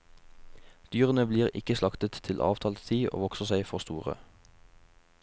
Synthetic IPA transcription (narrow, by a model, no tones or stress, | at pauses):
d̪̥yːʁənəbliːʁɪ̰kəslɑkt̪ət̪tʰɪlʔɑ̰ːʋt̪ʰɑːlst̪ʰiːʔo̰ːʋɔksəʁsæɪfɔʁst̪uːʁə̰